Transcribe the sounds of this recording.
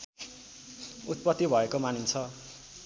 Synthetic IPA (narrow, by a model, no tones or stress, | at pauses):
ut̪̚pʌt̪ːibʱʌekomanint͡sʰʌ